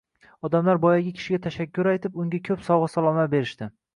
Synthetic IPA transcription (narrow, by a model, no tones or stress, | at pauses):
ɒd̪amlaɾbɒjaɡʲɪkʲʰɪ̥ʃɪɡʲat̪ʰaʃakʲʰːʊɾajt̪ʰɪpʊŋɡʲakʲʰɵpsɒwʁɨsalˠɒmat̪̚be̞ɾɪʃt̪ɪ